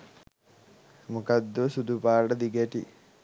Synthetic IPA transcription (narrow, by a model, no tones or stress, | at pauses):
mukɐd̪ːosud̪upaːɖɐd̪iɡɐʈḭ